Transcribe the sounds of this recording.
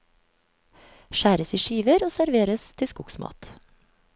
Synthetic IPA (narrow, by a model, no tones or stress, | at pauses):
ʃæːɾəsiːʃiːʋəɾoːsæɾʋeːɾəst̪ʰɪskʊksmɑ̰ːt̪